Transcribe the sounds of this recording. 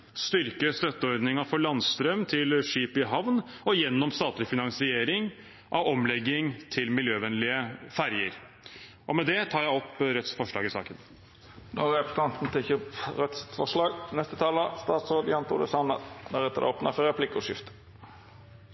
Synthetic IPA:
st̪ʏɾkəst̪œt̪ːəɔɾd̪nɪŋɑfɔɭɑnst̪ɾœmt̪ʰɪlʂiːpɪɦɑʋnɔjɛnːɔmst̪ɑːt̪lɪfɪnɑŋsɪeːɾɪŋ | ʔɑʋɔmlɛɡːɪŋt̪ʰɪlmɪljøːʋɛnlɪəfæɾjəɾ | ʔɔmɛd̪ɛt̪ʰɑːɾjæɪɔpːɾɛt̪sfɔʂɭɑ̰ːɡɪsɑ̰ːkən | nɔɾɛpə̥st̪ʰɑnt̪n̩t̪ʰɪçəpɾɛt̪sfɔʂlɑːɡnɛst̪ət̪ʰɑːləst̪ɑːt̪sɾoːd̪jɑnt̪ʰʊ̰d̪ə̰sɑnə̰nɔɾɛt̪ːəɾ̰ɔpnɑfəɾɛpʰlɪkːʊʂɪft̪ə̥

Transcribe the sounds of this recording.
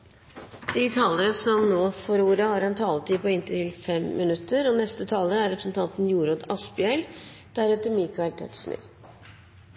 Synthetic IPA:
d̪̥ɪt̪ʰɑːləɾəsɔmnoːfɔɾuːɾəhɑːɾɛnt̪ʰɑːlət̪ʰiːpɔɪnt̪əʈɪlfɛmmɪnʉt̪ʰːəɾɔnɛst̪ət̪ʰɑːləɾəæɾɛpɾsnt̪ʰɑnt̪n̩juːɾod̪ɑspɪɛl | d̪̥æɾɛːt̪əɾmiːkʰɑɪlt̪ʰɛ̰ʈ̪ʂnɪ̰ɾ

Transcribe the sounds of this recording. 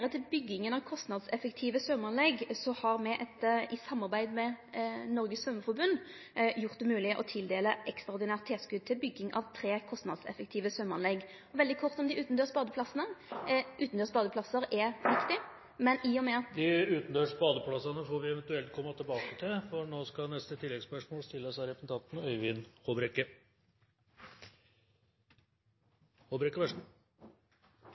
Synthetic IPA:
ʁət̪ʰɪlbʏɡːɪŋənɑʋkʰɔst̪nɑd̪sɛfəkt̪ʰiːʋəsœmɑnlɛɡsɔhɑɾmɛʔɛt̪ʔɪsɑmːɑʁbæɪd̪mɛnɔɾɡəssœmːəfɔɾbʉnː | jʊʁt̪̚d̪ɛmʉːlɪəʔɔt̪ʰɪld̪eːləʔɛkst̪ʁɑɾd̪ɪnæːʁt̪ʰːeːskʉd̪̚t̪ʰɪlbʏɡːɪŋʔɑ̰ʋt̪ʰɾeːkʰɔst̪nɑ̰d̪sɛ̰fək̚t̪ʰiːʋəsœmɑ̰nlɛɡ | ɔʋɛld̪ɪkʰɔʁt̪ɔmd̪ɪʔʉːt̪nd̪øːsbɑːd̪əpʰlɑsənəʔʉːt̪n̩d̪øːspɑːd̪əpʰlɑsəɾɛpʋlɪkt̪ɪ | mɛniːɔmɛːd̪ɪʉːt̪n̩d̪øːʂpɑːd̪əpʰlɑsɑnəfoːɾʋɪɛʋɛnt̪ʉɛlt̪̚kʰɔmːɑt̪ʰɪlbɑːkət̪ʰɪlfɔɳoːskɑnɛst̪ət̪ʰɪlːɛɡspœʂmoːlst̪ɪlːəsɑɾɛpn̩t̪ɑnt̪n̩œʏʋɪnhobɾɛkːə | hobɾɛkːəʋæʂ

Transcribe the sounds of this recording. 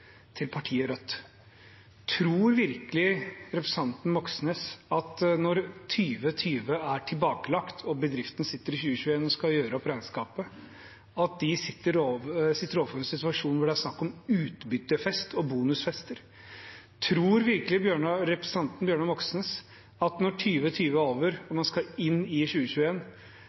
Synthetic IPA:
t̪ʰɪlpʰɑʈʰiːəɾœt̪ː | t̪ʰɾuːɾʋɪɾkəlɪɾɛpɾɛsɑnt̪n̩mɔksneːsɑt̪nɔɾt̪ʰyːʋət̪ʰyːʋəæʈʰɪlbɑːkəlɑkt̪ʰɔbəd̪ɾɪft̪ənəsɪt̪ːəɾɪçʉːəçʉːeːnɔskɑjøːɾəɔpɾɛɪnskɑːpə | ɑt̪̚d̪ɪsɪt̪ːəɾoʋsɪt̪ːəɾoːʋəfɔɾɛnsɪt̪ʉɑʂuːnʋʊɖɛæɾʂnɑkːɔmʉːt̪bʏt̪ːəfɛst̪ʰɔbuːnʉsfɛst̪əɾ | t̪ʰɾuːɾʋɪɾkəlɪbjøːɳəɾɛpɾɛsɑnt̪n̩bjøːɳəmɔksneːs | ɑt̪nɔʈʰyːʋət̪ʰyːʋəoːʋəɾɔmɑnskɑɪnːɪçʉːəɕʉːəeːn

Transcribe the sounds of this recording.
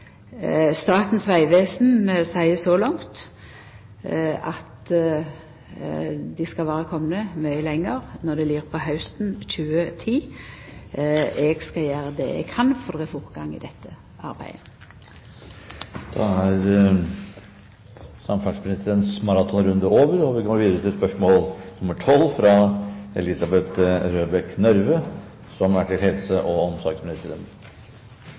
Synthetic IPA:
st̪ɑːt̪n̩sʋæɪʋeːsnsæɪəsɔlɔŋt̪ | ɑt̪ | d̪ɪskɑlʋæːʁəkʰɔmnəmœʏəlɛŋːəʁnɔʁd̪ɛliːʁpʰɔhɑʉst̪n̩c͡çʉːət̪ʰiː | ɛɡskɑjæːɾəd̪ɛ̰ɛ̰ɡ̚kʰɑnfɔʁd̪ɛʁɛfɔʁt̪ɡɑŋɪ̰d̪ɛt̪ʰːə | ɑɾbæ̰ɪd̪ə | d̪̥ɑ̰æɾ | sɑmfɑʂpʰɾɪsɪd̪ɛnt̪smɑɾɑt̪ʰɔnɾʉnd̪əoːʋəɾɔʋɪkʰɑnʋiːd̪ɾət̪ʰɪlspœʂmoːlnʊməʈʰɔlːfɾɑɛ̰lɪsɑbɛt̪ɾøːbɛknœɾʋə | sɔmæʈʰɪlhɛlsəʔɔɔmsɔɾɡsmɪnɪst̪əɾə̰n

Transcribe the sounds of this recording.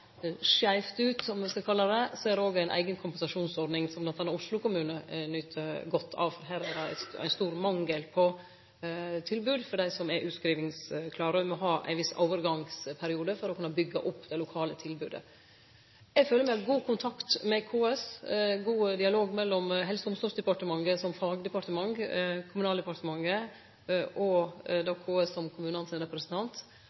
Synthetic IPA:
ʂæɪft̪ʉːt̪sɔmʋɪskɑkʰɑlːɑd̪ɛseːɾoːɡæɪnʔæ̰ɪɡənkʰʊmpɛnsɑʂuːnsɔɾɖnɪŋsɔmd̪ɑt̪ʰɑnɑɾʊʂlʊkʊmʉːnənʏt̪ʰəɡɔt̪ʰːɑ̰ːʋfɔɾɦæːɾæd̪ɛæ̰æ̰ɪnst̪uːɾmɑŋːəlpʰɔ | t̪ʰɪlbʉːd̪fɔɖæɪsɔmɛɾʔʉːt̪skɾiːʋɪŋskʰlɑːɾʉmɔɦɑːʔæ̰ɪnʋɪso̰ʊʋəɾɡɑŋspʰæɾɪuːd̪əfɔɾɔkʉnːəbʏɡːəʔʊpːd̪ɛlʊkʰɑːlət̪ʰɪlbʉ̰ːd̪ə̰ | ɛɡføːlːəɾmæɪɡuːkʰʊnt̪ʰɑkt̪mɛkʰoːɛsɡuːd̪ɪɑloːɡmɛlːɔmɦɛlsəd̪ɔmsd̪ɔsd̪ɛpɑʈəmɑŋːəsɔmfɑːɡd̪əpɑɾʈ̪t̪əmɑŋkʰʊmʉnɑːld̪ɛpɑɾt̪əmɑŋːə | ʔɔd̪oːkʰoːɛsɔmkʰʊmʉːnɑnsɪnɾɛpɾɛsnt̪ʰɑnt̪

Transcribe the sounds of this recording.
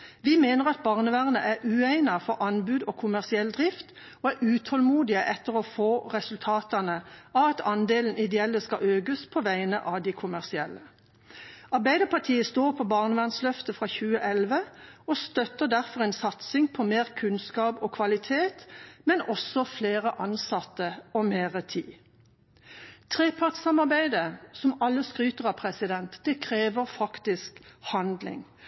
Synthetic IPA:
ʋɪmeːnəʁɑt̪̚bɑːʁnəʋæːʁnə̰ʔæʁʉːæɪnɑfɔʁʔɑnbʉːd̪ɔːkʰʊmæʁsɪɛld̪ʁɪft̪ | oːæʁʉːt̪ʰhɔlmuːd̪ɪəʔɛt̪ːəʁɔfoːʁɛsʉlt̪ʰɑːt̪ɑnəɑʋɑt̪ʰɑnd̪eːln̩ɪd̪ɛɛlːəskɑʔøːɡəspʰɔʋæɪnə̰ʔɑd̪ɪkʰʊmæʁsɪɛlːə | ɑʁbæɪd̪əpʰɑʁt̪ʰiːəst̪oːʁpʰɔbɑːʁnəʋæʁnslœft̪əfʁɑçʉːəʔɛlʋəɔst̪œt̪əd̪æʁfɔʁɛɪnsɑt̪sɪŋpʰɔmeːʁkʰʉnskɑːbɔkʰʋɑlɪt̪ʰeːt̪mɛnɔsɔfleːʁəʔɑnsɑt̪ːəɔmeːʁət̪ʰḭː | t̪ʰʁeːpʰɑʁʈ̪sɑmɑʁbæɪd̪əsɔmɑlːəskʁyːt̪əʁɑpʰʁɛsɪd̪ɛnt̪d̪̥ɛkʰʁeːʋəʁfɑkt̪ɪskhɑnd̪lɪ̰ŋ

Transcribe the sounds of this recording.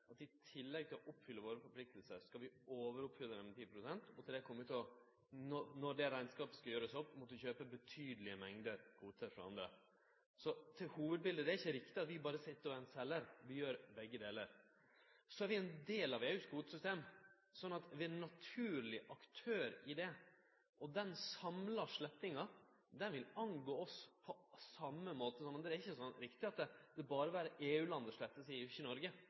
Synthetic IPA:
ɑt̪ɪt̪ʰɪlːɛɡ̚t̪ʰɪlɔʔɔpːfʏlːəʋoːɾəfɔɾpʰlɪk̚t̪əlsəskɑlʋɪoːʋəɾʊpfʏlːəɾɛmt̪ʰiːpʰɾʊsɛnt̪ɔt̪ʰɪld̪ɛkʰɔmːʉt̪ʰɪɔ | nɔnɔɖɛɾæɪnskɑːpəskɑjøːɾəsɔpmɔt̪ːʉçøːpəbət̪ʰyːd̪əlɪəmɛŋd̪əɾkʰuːt̪əɾfɾɔɑ̰nd̪ɾə̰ | sɔt̪ʰɪlhuːʋəd̪̚bɪld̪əd̪ɛæɾɪçːəɾɪkt̪ɪɑt̪ʋɪbɑːɾəsɪt̪ːɛnsɛlːəɾʋɪjøːɾbɛɡːəd̪eːləɾ | sɔæɾʋɪɛnd̪eːlɑʋeːʉːskhuːd̪sʏst̪eːm | sɔnːɑt̪ʋɪæɾnɑt̪ʰʉːɾlɪʔɑkt̪ʰøːɾɪd̪ɛ | ʔɔd̪ɛnsɑmlɑʂɭɛt̪ːɪŋɑ | d̪ɛnʋɪlɑnɡoːɔspʰɔsɑmːəmoːt̪əsɔnːɔd̪ɛæɾɪçːəsɔnɾɪkt̪ɪɑt̪̚d̪ɛd̪ɛbɑːɾəʋæːɾəʔeːʉːlɑnd̪əʂɭɛt̪ːəsɛɪʉçːənɔɾɡə

